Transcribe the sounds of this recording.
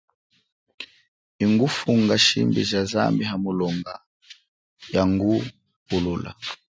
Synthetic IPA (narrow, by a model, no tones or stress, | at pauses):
iŋɡufuŋɡaʃimbḭʒaza̰mbiɦamulɔŋɡa | jaŋɡu | hulula̰